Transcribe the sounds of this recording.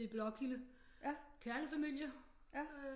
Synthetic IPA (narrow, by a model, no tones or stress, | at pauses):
ib̥lɒ̽ɡ̥ilə | kʰæɐnəfæmil̰jɐ